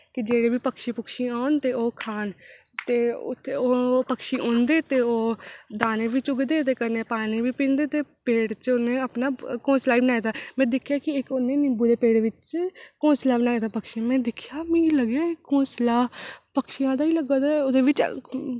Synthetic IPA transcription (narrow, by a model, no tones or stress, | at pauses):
kɪd͡ʒeːɽeːʋiːpəkʃiːpʊkʃiːaːʊnt̪eːoːkʰaːn | t̪eːʊ̰t̪ʰːeoːpəkʃiːʔõːnd̪eːt̪eːoːd̪aːneːʋiːt͡ʃʊɡd̪eːt̪eːkəɾneːpaːneːʋiːpĩːnd̪eːt̪eːpeːɽt͡ʃoːnẽːaːpnaːkõːnslaːiːbənaːjd̪aːmɛ̃ːd̪ɪkʰjaːkɪɪkonːẽːnɪmbuːd̪eːpeːɽʋɪt͡ʃkõːnslaːbnaːjd̪aːpəkʃiːmɛ̃ːd̪ɪkʰjaːmɛ̃ːləɡjaːɪõːslaːpəkʃijãːd̪aːiːləɡaːd̪aoːd̪eːʋɪt͡ʃ